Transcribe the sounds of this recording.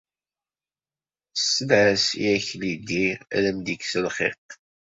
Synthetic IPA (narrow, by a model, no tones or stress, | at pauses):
sːəmʕæsḭæçlid̪ḭləmd̪iksəlχɪ̰q